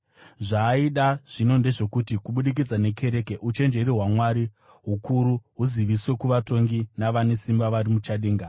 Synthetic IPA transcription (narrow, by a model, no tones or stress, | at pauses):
ʐaːiɗaʐ̥ino̞nde̞ʐe̞kutikuɓuɗik̬id͡zane̞kʰe̞ɾe̞keʔut͡ʃe̞nd͡ʒe̞ɾiɦwamwaɾi | ɦukuɾuɦuziʋiswe̞kuʋato̞ŋɡinaʋane̞simbaʋaɾimut͡ʃaɗeːŋɡa